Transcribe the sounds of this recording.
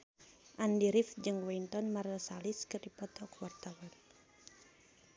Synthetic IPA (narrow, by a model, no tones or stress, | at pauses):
ʔandiɾifd͡ʒɨŋwɛnt̪ɔnmarəsaliskɨrdipɔt̪ɔkuwart̪awan